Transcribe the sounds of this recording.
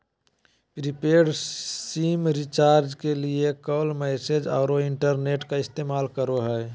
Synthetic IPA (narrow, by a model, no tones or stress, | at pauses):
pɾipeːɾsiːmɾit͡ʃaːɾd͡ʒkeliekɔːlmɛsed͡ʒɔ̰ːɾoɪɳʈəɾneːʈkaɪst̪eːmaːlkəɾoɦɛː